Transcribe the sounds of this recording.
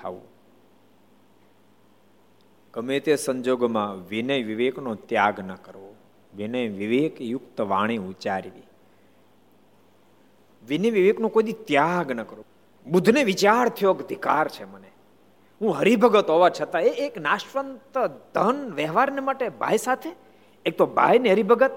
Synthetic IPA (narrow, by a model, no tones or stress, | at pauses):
t̪ʰa̰ʋṵ̃ | kəmet̪esəɲd͡ʒoɡmãʋinəjʋiʋeknot̪jaɡnəkəɾʋo | ʋinəjʋiʋekjʊkt̪əʋa̰ɽ̃iut͡ʃaɾʋḭ | ʋinəʋiʋeknõkojd̪it̪jaɡnəkəɾʋo | bud̪ʱneʋit͡ʃaɾt̪ʰijokəd̪ʱikaɾt͡ʃʰeməne | ɦũɦəɾibʱəɡət̪ɦoʋat͡ʃʰət̪aeːknaʃʋənt̪əd̪ʱənʋɛɦʋaɾnemaʈebʱa̰jsat̪ʰeː | k̚t̪obʱa̰jneɦəɾibʱəɡət̪̚